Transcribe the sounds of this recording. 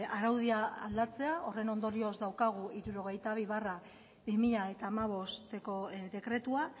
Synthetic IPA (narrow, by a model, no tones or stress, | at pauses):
aɾawð̞iaa̰ld̪at͡se̞ao̞re̞no̞nd̪o̞ɾio̞zd̪awkaɣ̞uiɾuɾo̞ɣ̞e̞jt̪aβ̞iβara | bimiʎae̞t̪aːmaβ̞o̞st̪eko̞ðe̞kɾe̞t̪ua